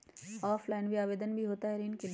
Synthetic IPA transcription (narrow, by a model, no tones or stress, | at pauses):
ɔːflaːɪnʋiaːʋeːd̪ənbʱiɦoːt̪aɦɛɾinkel